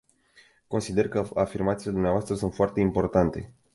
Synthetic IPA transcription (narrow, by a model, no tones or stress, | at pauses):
ko̞nsid̪e̞rkəafirmat̪siled̪umneavoast̪ɾəsunt̪foart̪e̞impo̞rt̪ant̪e̞̰